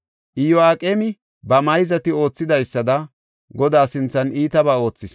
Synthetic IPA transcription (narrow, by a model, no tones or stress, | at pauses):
ʔɪjɔaːkʼeːmɪ | bɐmɐjzɐt̪ɪo̞ːt͡sːɪd̪ɐjsːɐd̪ɐ | ɡɔd̪aːsɪnt͡sːɐniːt̪ɐbaːo̞ːt͡sːɪs